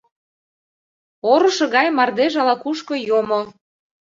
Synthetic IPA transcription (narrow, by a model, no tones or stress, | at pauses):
oɾɤ̆ʃɤ̆ɣɑjmɑrd̪eʒɑlɑkuʃkɤ̆jomo